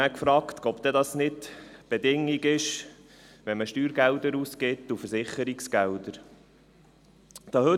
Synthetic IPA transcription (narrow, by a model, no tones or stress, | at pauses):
ækfɾɑːkt̪ɔbd̪ɛd̪ɑsnɪdtb̥ed̪ɪŋːiɡɪʃ | ʋɛnməʃtyːɾɡɛld̪əɾuskɪt̪ːufəɾsɪχːəɾiksɡ̥ɛld̪əɾ | d̥ɑhɵ